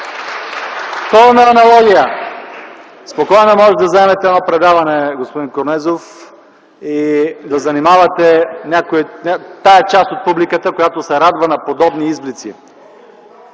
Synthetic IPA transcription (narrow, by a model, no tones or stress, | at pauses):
t̪ɔlnɐːnɐlˠɔɡʲijə | spokɔjnɐmɔʒɛd̪ɐzɐɛmɛt̪ɛɛd̪nɔpɾɛd̪avɐnɛɡospod̪inkoɾnɛzof | id̪ɐzɐnimavɐt̪ɛnʲakojinʲat̪aɛt͡ʃast̪ot̪̚publikət̪əkojat̪osɛɾad̪vɐnɐpod̪ɔbniizblit̪sḭ